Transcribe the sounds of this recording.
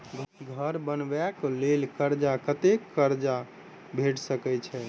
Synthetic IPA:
ɡʱəɾbənʋɛklelkəɾd͡ʒakət̪ekːəɾd͡ʒa | bʱeʈsəkɛt͡ʃʰɛ

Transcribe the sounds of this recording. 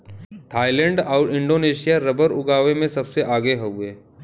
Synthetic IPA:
t̪ʰaːɪlɛ̃ɳɖɔːɾɪ̃ɳɖoːneːʃijaɾɐbəɾʊ̰ɡaːʋemẽsɐbseʔaːɡeɦoeː

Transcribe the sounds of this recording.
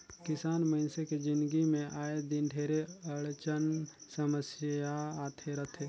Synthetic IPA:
kɪsaːnməɪnseked͡ʒɪ̃nd̪ɡimẽʔaːed̪ɪnɖʱeːɾeəɭt͡ʃənsəməsjaaːt̪ʰeɾət̪ʰe

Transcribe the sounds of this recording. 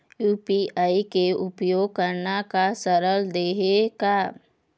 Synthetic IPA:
juːpiaːikeʊpjoːɡ̚kəɾnakasəɾəld̪eːɦeɡa

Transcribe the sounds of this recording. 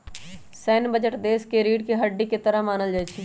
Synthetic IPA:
sɛːnbəd͡ʒəʈd̪eːskeɾiːɖkeɦəɖːiket̪əɾəɦmaːnəld͡ʒaːit͡ʃʰi

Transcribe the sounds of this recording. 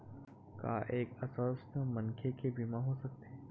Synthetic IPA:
ka̰ːʔeːkɐsɔːst̪əmɐ̃nkʰekʰebiːmãɦosɐk̚t̪eː

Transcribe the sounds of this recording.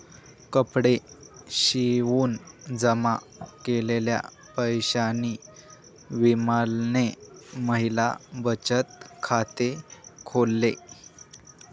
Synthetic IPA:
kəpɽeɕiʋuːnd͡zəma | kelelja̰ | pəjɕaniː | ʋiməlneməɦila̰bət͡ɕət̪̚kʰat̪ekʰolːe

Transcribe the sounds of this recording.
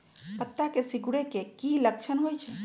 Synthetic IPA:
pət̪ːakesiɡuɽekekilək̚t͡ʃʰənɦojt͡ʃʰɛ

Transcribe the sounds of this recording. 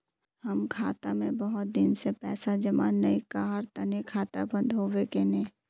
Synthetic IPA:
həmkʰaːt̪amẽbəɦʊt̪̚d̪ɪnsepɛːsad͡ʒəmanːəikaɦəɾt̪ənekʰaːt̪a̰bə̃nd̪ʱɦoːʋekenẽː

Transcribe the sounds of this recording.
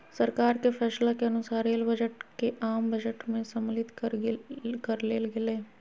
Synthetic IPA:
sɐɾkaːɾkepʰɛːslakeɐnʊsaːɾeːlbəd͡ʒəʈkeʔaːmbɐd͡ʒəʈmẽsɐmlɪt̪kəɾkɐɾleːlɡɪlẽː

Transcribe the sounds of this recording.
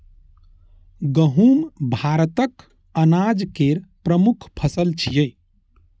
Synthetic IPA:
ɡəɦumbʱaɾt̪ək | ənad͡ʒkeɾpɾəmukʰpʰəsəlt͡ʃʰijəj

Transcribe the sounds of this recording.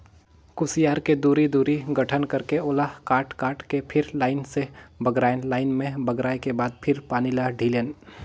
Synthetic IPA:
kʊsijaːɾked̪uːɾid̪uːɾiɡɐʈʰənkɐɾkeoːlakaːɾʈkaːɾʈkepʰɪɾlaːɪnsebɐɡɾaːenlaːɪnmẽbɐɡɾaːekebaːd̪̚pʰɪɾpaːnilaɖʱiːleːn

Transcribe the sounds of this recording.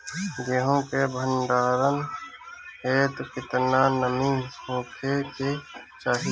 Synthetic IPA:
ɡeːɦõkebʱənɖaːɾən | ɦeːt̪ukɪt̪naːnəmiɦõːkʰeke | t͡ʃaːɦi

